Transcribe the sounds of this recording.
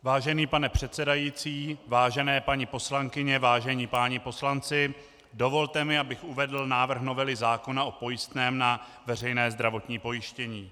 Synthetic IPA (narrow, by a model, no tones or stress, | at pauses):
vaːʒɛniːpanɛpr̥ɛt̪sɛdajiːt͡siːvaːʒɛnɛːpaɲɪpo̞slaŋkɪɲɛvaːʒɛɲiːpaːɲɪpo̞slant͡sɪ | do̞vo̞lt̪ɛmɪabɪxuvɛdl̩naːvr̩xno̞vɛlɪzaːko̞naʔo̞po̞jɪst̪nɛːmna | vɛr̝ɛjnɛːzd̪ɾavo̞t̪ɲiːpo̞jɪʃcɛɲiː